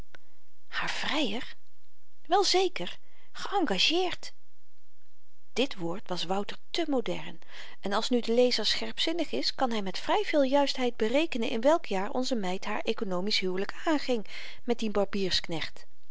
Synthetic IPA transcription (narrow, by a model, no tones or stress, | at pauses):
haːɹv̥rɛjər | ʋɛlˠzejkəɹ | χəʔɑŋɡaʒɪːɹt | d̥ɪtʋoːɹtʋɑsʋʌwtəɹtəmowdɛ̰ɹn | ɛnɑlˠsnydəlejzəɹsχɛɹpsɪnəχɪskɑnɦɛjmɛtfrɛjvɪːlˠjœɥstɦɛjd̚bərejkənənʔɪ̰nʋɛlˠkʰjaːɹɔ̰nzəmɛjtɦaːɹʔejkonowmisɦyːwləkaːnχɪŋ | mɛt̚dibɑɹbiːɹsknɛχt